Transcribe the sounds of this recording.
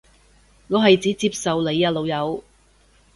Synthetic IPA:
ŋɔː˨˧ɦɐ˨jt͡siː˨˥t͡siː˧p̚sɐ˨wle˨˧jaː˧lo˨˧wjɐ˨˧w

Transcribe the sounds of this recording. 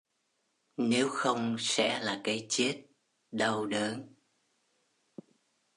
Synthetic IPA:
ne˨˦wxə˧wŋ͡msɛ̰˧˥laː˨˩kaː˨˦jt͡ɕe˦˥t̚ | ɗə˧wɗəː˨˦n

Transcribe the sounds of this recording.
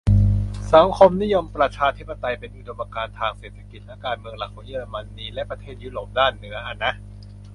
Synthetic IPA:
sa˩˦ŋkʰo˧mni˦˥jo˧mpɾa˧t͡ɕʰaː˧t̪ʰi˦˥pːa˧t̪a˧jpe˧nʔu˨˩do˧mːʔa˧kaː˧nt̪ʰaː˧ŋseː˨˩t̪ʰːḁ˧ki˨˩t̪̚lɛ˦˥kaː˧nmɯ˧əŋla˨˩k̚ʰɔː˨˩˦ji˧˥˩la˧ma˧nːiː˧lɛ˦˥ʔpɾa˧t̪ʰeː˥˩t̪̚juː˦˥ɾoː˨˩p̚daː˥˩nːɯ˩˦ɐʔa˧˩nːa˦˥ʔ

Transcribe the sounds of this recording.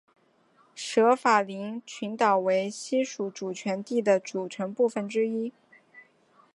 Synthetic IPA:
ʂɤ˧˥fa˨˩li˧˥ŋt͡ɕʰy˧˥nt̪ɑ˨˩ʊwe˧˥ɪɕi˥ʂu˧˥ʈ͡ʂu˨˩t͡ɕʰɥɛ˧˥nt̪i˥˩d̪ə˩ʈ͡ʂu˨˩ʈ͡ʂʰɤ˧˥ŋpu˥˩fə˩nʈ͡ʂɻ̩˥i˥

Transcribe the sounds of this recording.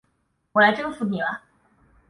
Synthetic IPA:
wɔ˨˩la˧˥ɪʈ͡ʂɤ˥ŋfu˧˥ni˨˩bɐ˧˦

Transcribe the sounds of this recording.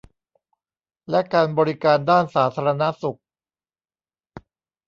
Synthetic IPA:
lɛ˦˥kaː˧nbɔː˧ɾi˦kaː˧ndaː˥˩nsaː˩˦t̪ʰaː˧ɾa˧na˦˥su˨˩k̚

